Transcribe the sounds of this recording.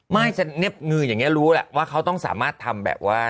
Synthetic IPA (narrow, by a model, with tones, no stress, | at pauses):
ma˥˩jsa˧ne˦˥˩p̚ŋɯː˧jaː˨˩ŋːi˦˥ɐ˧ɾuː˦˥lɛ̰˨˩ʔwaː˥˩kʰa˦˥wt̪ɔ˥˩ŋsa̰ː˩˦maː˥˩t̪ʰːa˧mbɛ̰ː˨˩p̚waː˥˩